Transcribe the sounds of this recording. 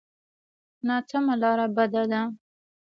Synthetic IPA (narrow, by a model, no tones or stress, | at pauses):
nɑt͡samalɑɾabad̪ad̪a